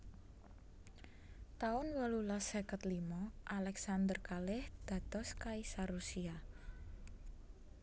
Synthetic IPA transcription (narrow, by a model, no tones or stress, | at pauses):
t̪aʊnwəlulasəkət̪limɔʔalɛksand̪ərkalɪhd̪̥ä̤t̪ɔskaisaɾusia